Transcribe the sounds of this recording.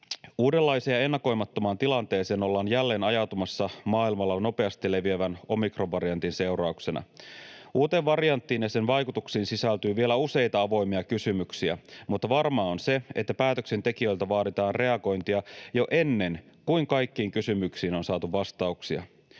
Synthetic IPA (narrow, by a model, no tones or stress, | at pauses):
uːde̞lːɑjseːɑe̞nːɑko̞jmɑt̪ːomɑːnt̪ilɑnt̪e̞ːse̞ːno̞lːɑːnjælːe̞ːnɑjɑt̪umɑsːɑmɑːilmɑlːɑno̞pe̞ɑst̪ilːe̞ʋieʋæno̞mikro̞ʋɑɾijɑnt̪inse̞wɾɑuksenɑ̰ | uːt̪e̞ʋʋɑrijɑnt̪ːiːnjɑse̞nʋɑjkut̪uksiːnsisælt̪yːʋielæuse̞jt̪ɑɑʋo̞jmiɑkysymyksiæ̰mut̪ːɑʋɑrmɑːonse̞et̪ːæpæːt̪ø̞kse̞nt̪e̞kiø̞jlt̪æʋɑːdit̪ɑːnre̞ɑɡo̞jnt̪iɑjo̞ʔe̞nːe̞nkuiŋkɑjkːiːŋkysymyksiːno̞nsɑːt̪uʋʋɑst̪ɑuksiɑ̰